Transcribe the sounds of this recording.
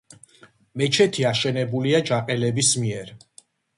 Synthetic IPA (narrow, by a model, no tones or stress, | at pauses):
mɛt͡ʃʰɛt̪ʰiaʃɛnɛbuliad͡ʒaqʼɛlɛbismiɛɾ